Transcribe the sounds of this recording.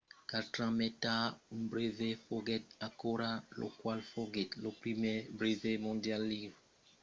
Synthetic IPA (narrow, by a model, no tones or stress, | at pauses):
katɾãmɛt̪aũbɾevefoɡɛt̪̚akoɾalo̰kwalfoɡɛt̪lopɾimebɾevemɔ̃djalːiv